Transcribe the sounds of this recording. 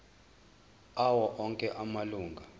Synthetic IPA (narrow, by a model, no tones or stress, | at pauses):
awɔʔɔŋkʼɛʔamaluːŋɡʱa